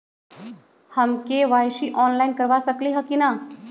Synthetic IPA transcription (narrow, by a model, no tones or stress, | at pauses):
həmkeʋajʃiʔɔːnlainkəɾʋasəkliɦəkina